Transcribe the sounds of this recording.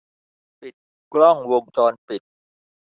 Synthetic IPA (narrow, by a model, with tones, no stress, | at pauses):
pi˨˩t̪̚ | klɔ˥˩ŋwo˧ŋt͡ɕɔː˧npi˨˩t̪̚